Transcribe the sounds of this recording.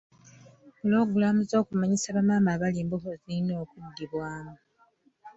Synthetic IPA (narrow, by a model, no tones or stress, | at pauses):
uloːɡulamuzo̞ːkumaɲisaβamaːmaβaliːmbuɦoziino̞ːkudːiβwaːma